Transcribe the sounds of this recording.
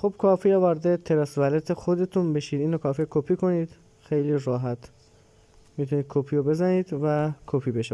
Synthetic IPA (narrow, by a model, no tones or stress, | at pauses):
xob̥̚kʰɒːfiɑːvɒːɾd̪et̪ʰeɾɒːsvælet̪ʰexod̪e̞t̪ʰunbe̞ʃiːd̪iːnɾokʰɒːfikʰopʰiːkʰoniːd̪̥ | xejliːrɒːɦæt̪ʰ | mit̪ʰuniːd̪̚kʰopʰiːobe̞zæniːd̪vækʰopʰiːbeʃ